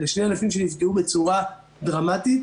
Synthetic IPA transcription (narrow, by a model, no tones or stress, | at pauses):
leʃne̞janafimʃenifɡeube̞t͡suʁa | dʁamatit